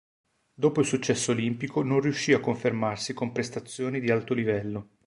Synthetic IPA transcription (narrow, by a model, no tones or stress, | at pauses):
d̪oːpoilsut͡ʃːɛsːoːlimpikononriuʃːiːakːoɱfermarsikompɾest̪at̪sːjoːnid̪ialt̪olivɛlːo